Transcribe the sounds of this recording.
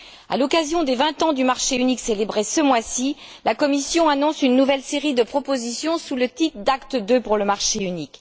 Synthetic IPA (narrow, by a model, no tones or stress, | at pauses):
a̰lɔkazjɔ̃d̪evɛ̃t̪ɑ̃d̪ymaʁʃeynikselebʁesəmwasi | lakɔmisjɔ̃anɔ̃synːuvɛlseʁid̪əpχɔpozisjɔ̃sulət̪it̪d̪akt̪əd̪øpuʁləmaʁʃeynik